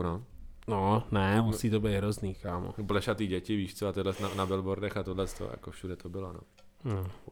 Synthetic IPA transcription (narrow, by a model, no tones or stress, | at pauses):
no | nonɛmusiːt̪obɛjɦɾozniːkaːmo̰blɛʃat̪iːɟɛcɪviːʃt̪t͡soat̪ɛdlɛsnanabɛlboɾdɛxat̪odlɛst̪o̰ja̰kofʃudɛt̪obɪlono̰ | no